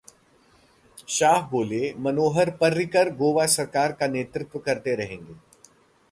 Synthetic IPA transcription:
ʃaːɦboːlemɐnoːɦəɾpɐɾːɪkəɾɡoːʋasɐɾkaːɾkaneːt̪ɾɪt̪wʋəkɐɾt̪eɾɐɦẽːŋɡeː

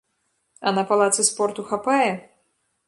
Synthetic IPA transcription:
ɐnɐpalˠat̪sɨspɔrt̪uxapajɛ

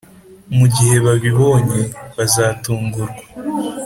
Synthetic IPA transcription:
muɟihe̞βaβiβo̞ːɲe̞βazaːtuːŋɡuɾɡwa

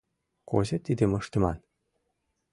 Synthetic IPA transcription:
ko̰ʑɤ̆t̪id̪ʲɘ̆mɤ̆ʂt̪ʲɤ̆mɑn

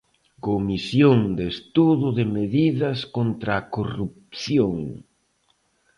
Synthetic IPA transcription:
komisjoŋd̪est̪uðʊðɪmeðiðɐskont̪ɾaːkorup̚θjoŋ

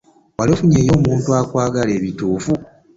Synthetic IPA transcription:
walofuɲe̞ːjo̞ːmuːntuakwaːɡale̞ːβituːfu

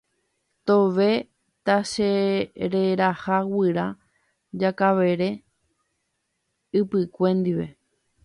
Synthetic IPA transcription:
t̪o̞ʋe̞ | t̪aʃeɾe̞ɾahawɨɾa | d͡ʒakaʋe̞ɾe̞ | ɨpɨkʷe̞nd̪iʋe̞̰

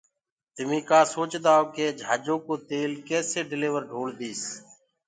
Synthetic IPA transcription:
t̪ɪmĩːkãːsoːt͡ʃd̪aːokeːd͡ʒʱa̰ːd͡ʒõːkoːt̪eːlkɛːseːɖɪleːʋəɾɖʱoːɽb̪iːs

